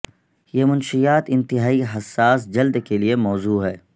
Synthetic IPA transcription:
jeːmʊnʃijaːt̪ɪ̃nt̪ɪɦaːiɦɐsːaːsd͡ʒɐld̪keliemɔːzuːɦɛː

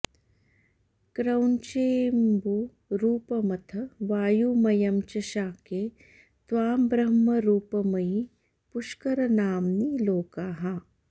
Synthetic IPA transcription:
kɾɐwnt͡ʃeːmbu | ɾuːpɐmɐt̪ʰɐʋaːjumɐjɐmt͡ʃɐʃaːkeː | t̪ʋaːmbɾɐɦmɐɾuːpɐmɐj | pʊʃkɐɾɐnaːmniloːkaːɦa

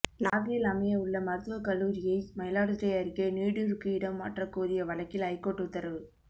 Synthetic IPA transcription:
naːɣilɐmɐjɐɯɭːɐmɐɾɯt̪ːɯʋɐkɐlːuːɾɪjɐɪmɐjɪlaːɽɯtɾɐjɐɾɪkːeniːɽɯɾɯkːɯɪɽɐmːa̰ːʈrɐkːuːɾɪjɐʋɐɭɐkːɪlɐɪkːoːʈːɯt̪ːɐɾɐʋɯ

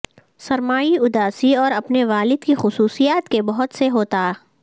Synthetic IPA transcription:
sɐɾmaːiʊd̪aːsiɔːɾɐpneʋaːlɪd̪kixʊsuːsijaːt̪kebɐɦʊt̪seɦoːt̪aɛ

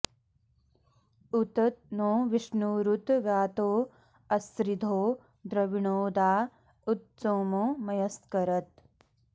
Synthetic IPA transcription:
ut̪ɐt̪̚noːʋiʂnuːɾut̪ʋjaːt̪oː | ɐsɾid̪ʱoː | d̪ɾɐʋiɳoːd̪aː | ut̪̚soːmoːmɐjɐskɐɾɐt̪̚

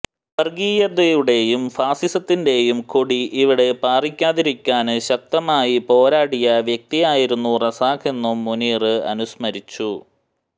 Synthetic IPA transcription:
pɐrɡiːjɐd̪ɐjuɽe̞jumfaːsisɐt̪ːinde̞jumkoɽiʔiʋiɽe̞paːrikʲːaːðiɾikʲːaːnɕɐk̚t̪ɐmaːjipo̞ːɾaːɽijɐʋjek̚t̪ijaːjiɾunːurɐsaːkʰe̞nːumːuniːrɨɐ̰nusmɐɾit͡ɕːu

